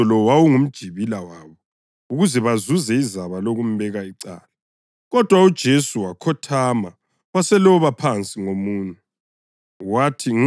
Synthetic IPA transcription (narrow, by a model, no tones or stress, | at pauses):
ɔlɔwawuŋum̩d̥ʒ̥ʱiβilawaːβɔ | uɣuzɛβazuzɛizaβaloɣum̩βɛɣaiǀa̰ːla | ɣɔd̥ʱwaud̥ʒ̥ʱesuwakʰɔtʰama | wasɛlɔβapʰant͡sʼiŋomuːnɛ | watʰiŋ